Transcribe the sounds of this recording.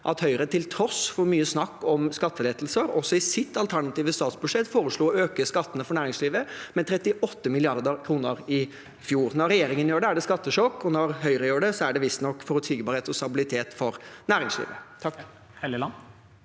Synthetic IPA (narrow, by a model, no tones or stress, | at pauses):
ʔɑt̪hœʏɾət̪ʰɪlt̪ʰɾɔsfɔɾmyːəsnɑkːɔmskɑt̪ːəleːt̪l̩səɾɔsːɔɪsɪt̪ːɑlt̪ʰæɳɑt̪iːʋəst̪ɑːt̪sbʉʂɛt̪ːfoːɾəʂɭuːøːkəskɑt̪ːənəfɔɳæːɾɪŋsliːʋəmɛnt̪ʰɾɛt̪ɪʔɔt̪ːəmɪlɪɑɾd̪əkʰɾuːnəɾɪ | fjuːɾnɔɾːɛjeːɾɪŋənjøːɖɛæɖɛskɑt̪ːəʂɔkːɔnɔɾɦœʏɾəjøːɖɛsɔæɖɛʋɪst̪nɔkːfɔɾɔt̪ʰiːɡəbɑɾheːt̪ɔst̪ɑbɪlɪt̪ʰeːt̪fɔɾnæːɾɪŋslḭːʋət̪ʰɑk